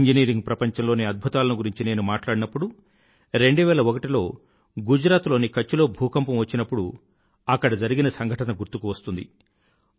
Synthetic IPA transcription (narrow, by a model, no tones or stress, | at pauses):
ɲd͡ʒiniːɾiŋɡpɾɐpɐɲt͡ʃɐmlo̞ːneɐd̪̚bʱut̪aːlɐnuɡuɾiɲt͡ʃine̞ːnumaːʈlaːɽinɐpːuɽu | ɾe̞ɳɖuʋɛːlɐɔkɐʈilo̞ː | ɡud͡ʒɾaːt̪lo̞ːnikɐt͡ʃːulo̞ːbʱuːkɐmpɐmʋɐt͡ʃːinɐpːuɽu | ɐkːɐɽɐd͡ʒɐɾiɡinɐsɐŋɡʱɐʈɐnɐɡuɾt̪ukuʋɐst̪und̪i